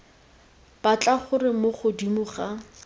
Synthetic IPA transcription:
b̥at͡ɬʼaχʊrɪmoχʊdimuːχa

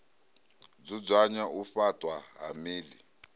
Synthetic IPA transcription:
b͡ʐid͡zaɲaufatʼwaɦamiːli

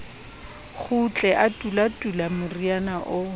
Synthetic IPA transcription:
χʰʊt͡ɬʼɛʔatʼulatʼulamʊrianaʔʊ

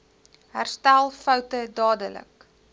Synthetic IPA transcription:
ɦærstælˠfœwtədɑːdələ̰k

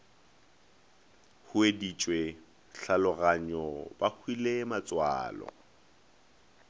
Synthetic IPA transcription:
hʊedit͡ʃʼwe | ɬalʊɣaɲɔbahʰwilemat͡sʼwa̰ːlɔ̰

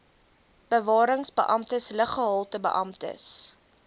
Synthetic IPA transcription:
b̥əvɑːɾəŋsbə̰ʔɐmtəsləχəɦɑlˠtəbə̰ʔɐmtə̰s

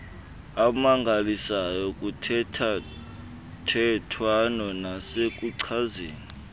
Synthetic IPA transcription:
amaŋɡʱalisajɔk̬ʼutʰɛtʰa | tʰɛtʰwanɔnasek̬ʼuǀʰazeːni

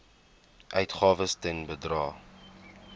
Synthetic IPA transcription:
ʔœɥtχɑːvəstɛnbədrɑː

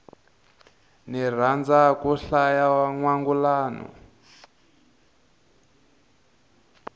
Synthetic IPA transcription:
nir̤and͡zakuɬajawaŋwaŋɡulaːnɔ̰

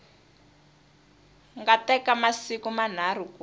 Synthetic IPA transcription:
ŋɡatɛkamasikuman̤ar̤uku

